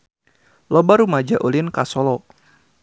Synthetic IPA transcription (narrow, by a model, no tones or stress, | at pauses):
lɔbaɾumad͡ʒaʔolinkasɔlɔ